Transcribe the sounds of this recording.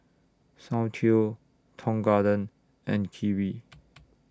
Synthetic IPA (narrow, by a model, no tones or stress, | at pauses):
sãʊ̃thio | tʰɔ̃ŋɡadə̃n | ɛ̃nkʰivi